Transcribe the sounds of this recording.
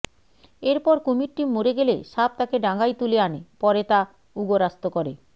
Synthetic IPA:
eɾpɔɾkomiʈʈimːoɾeɡelḛʃap̚t̪akeɖaŋɡajt̪uleanepɔɾet̪a | uɡoɾast̪okɔɾe

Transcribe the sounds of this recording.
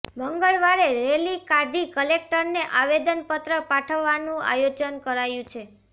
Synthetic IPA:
məŋɡəɭʋaɾeɾelikad̪ikəlek̚ʈəɾneʔaʋed̪ənpət̪ɾəpaʈʰəʋːanũa̰jod͡ʒənkəɾajũt͡ʃʰe

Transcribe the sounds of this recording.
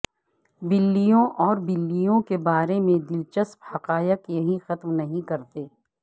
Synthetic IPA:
bɪlːijõʔɔːɾbɪlːijõkebaːɾemẽd̪ɪlt͡ʃəsphɐqaːjɪkjɐɦĩxɐt̪mnɐɦĩkɐɾt̪eː

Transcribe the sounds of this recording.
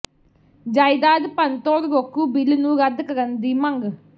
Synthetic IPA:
d͡ʒaːid̪aːd̪pənt̪oːɾɾokuːbɪlnũːɾəd̪kəɾənd̪iːməŋɡ

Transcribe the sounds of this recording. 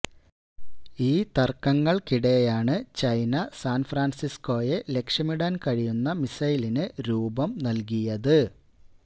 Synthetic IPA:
iːt̪ɐrkːɐŋːɐɭkiɽejaːɳɨt͡ɕɐjnɐsaːnfraːnsisko̞ːje̞le̞kʂjɐmiɽaːnkɐɻijunːɐmisɐjlinɨɾuːbɐmnɐlk̬ijɐðɨ

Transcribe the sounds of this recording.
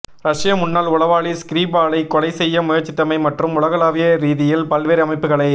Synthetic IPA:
ɾɐʂɪjɐmʊnːaːlʊɭɐʋaːɭiskɪɾiːbaːɭɐɪkɔlɐɪsɛjːɐmʊjɐɾt͡ʃːɪt̪ːɐmɐɪmɐʈrɯmʊɭɐɣɐlaːʋɪjɐɾiːðɪjɪlpɐlʋeːɾɐmɐɪpːɯɣɐɭɐɪ

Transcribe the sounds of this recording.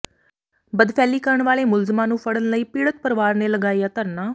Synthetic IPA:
bəd̪pʰɛːliːkəɾəɳʋaːleːmʊlzmãːnũːpʰəɽənləiːpiːɽət̪̚pəɾʋaːɾneːləɡaːiːaːt̪əɾnaː

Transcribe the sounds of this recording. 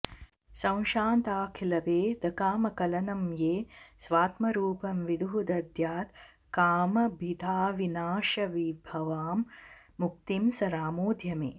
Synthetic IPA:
sɐ̃w̃ʃaːnt̪aːkʰilɐʋeːd̪ɐkaːmɐkɐlɐnɐmjeːsʋaːt̪mɐɾuːpɐmʋid̪uɦud̪ɐd̪jaːt̪ | kaːmɐbʱid̪ʱaːʋinaːʃɐʋibʱɐʋaːmː | uk̚t̪imsɐɾaːmoːd̪ʱjɐmḛː

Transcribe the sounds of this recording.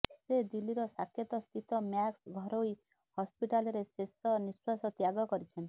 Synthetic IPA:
sed̪iliɾɔsakʰːjɔt̪ɔst̪ʰit̪ɔmjaksɡʱɔɾoi | hɔspiʈalɔɾesesɔniswasɔt̪jaɡɔkɔɾit͡ʃʰen

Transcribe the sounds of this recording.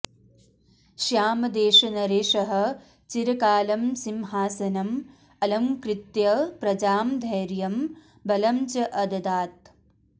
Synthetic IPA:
ʃjaːmɐd̪eːʃɐnɐɾeːʃɐɦɐ̆ | t͡ʃiɾɐkaːlɐmsimɦaːsɐnɐm | ɐlɐmkɾɪt̪jɐpɾɐd͡ʒaːmd̪ʱɐjɾjɐm | bɐlɐmt͡ʃɐʔɐd̪ɐd̪aːt̪̚

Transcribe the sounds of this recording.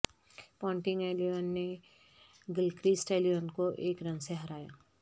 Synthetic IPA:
pɔ̃ːɳʈɪ̃ŋɡɛːlionːe | ɡɪlkɾisʈeːlijoːnkoʔeːkɾɐ̃ŋseɦɐɾaːja̰ː

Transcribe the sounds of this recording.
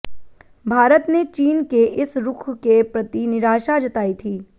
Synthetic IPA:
bʱaːɾət̪net͡ʃiːnkeʔɪsɾʊkʰkepɾɐt̪inɪɾaːʃad͡ʒɐt̪aːit̪ʰiː

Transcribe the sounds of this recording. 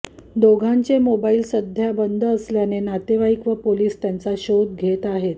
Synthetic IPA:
d̪oɡʱaɲt͡semobailsəd̪ʱjabənd̪ʱəːsljanenat̪eʋaikʋəpoliːst̪jant͡saɕod̪̚ɡʱet̪aɦet̪

